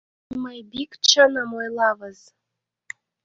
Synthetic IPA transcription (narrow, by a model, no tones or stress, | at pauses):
məjbikt͡ɕənə̆mojlˠɑβəz